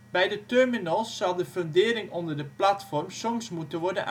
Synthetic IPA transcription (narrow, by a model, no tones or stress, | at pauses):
bɛjdətørminɔlˠsːɑlˠdəføndɪːɾɪŋɔndərdəplatfɔrmsɔmsmutənʋɔrdənʔ